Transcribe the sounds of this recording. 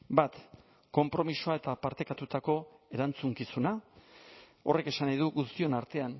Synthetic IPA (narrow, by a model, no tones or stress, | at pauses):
bat̪ | ko̞mpɾo̞misoae̞t̪apaɾt̪e̞kat̪ut̪ako̞e̞ɾant͡suŋkisuna | o̞re̞ke̞sanajðuɣust̪io̞naɾt̪e̞an